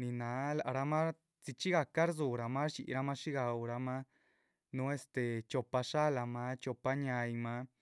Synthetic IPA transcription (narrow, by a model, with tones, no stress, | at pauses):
ni˨na˨˦la˨ʔɾa˧ma˦ | t͡si˧t͡ʃi˦ɡa˧ka˦ɾzu˨ɾa˧ma˦ɾt͡ʃḭ˧ʔɾa˧ma˦ʂi˦ɡa˨wɾa˧ma˦ | nu˧˦e˦˧st̪e˨t͡ʃo˧pa˧ʂa˦la˧ma˧˦t͡ʃo˧pa˧ɲa˧jma˧